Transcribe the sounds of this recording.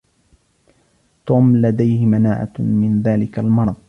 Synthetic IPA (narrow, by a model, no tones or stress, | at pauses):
t̪uːmlad̪ajhɪmanaːʕa̰mɪnðaːlɪkalmɑɾˤɑðˤ